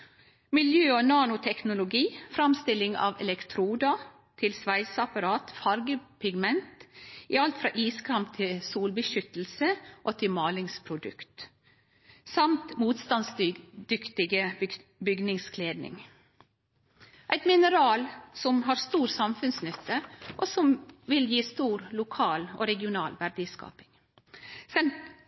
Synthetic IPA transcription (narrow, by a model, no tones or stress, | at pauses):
mɪljøːonɑːnʊt̪ʰɛknʊlʊɡiːfɾɑmst̪ɪlɪŋɑ̰ːʋɛ̰lɛkt̪ʰɾuːd̪ɑ | t̪ʰɪlsʋæɪsɑpɑɾɑːt̪fɑɾɡəpʰɪɡmɛnt̪iɑlt̪fɾɑ̰ːʔiːskʰɑmp̚t̪ʰɪlsuːlbəʃʏt̪l̩səʔoːt̪ʰɪmɑːlɪŋspʰɾʊd̪ʉ̰kt̪ | sɑmt̪muːt̪st̪ɑnsd̪̥ʏkt̪ɪɡə | bʏɡnɪŋskʰleːd̪nɪ̰ŋ | ʔæɪt̪mɪnəɾɑːlsɔmɦɑːɾst̪uːɾsɑmfʉnsnʏt̪ːəʔoːsɔmʋɪljiːst̪uːɾlʊkʰɑːlo̰ːɾɛɡɪʊnɑːlʋæɾɖ̪ɪskɑ̰ːpɪŋ | sɛn